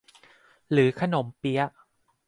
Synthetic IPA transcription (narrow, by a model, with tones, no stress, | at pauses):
ɾɯː˩˦kʰa˧no˩˦mpi˦˥ɐʔ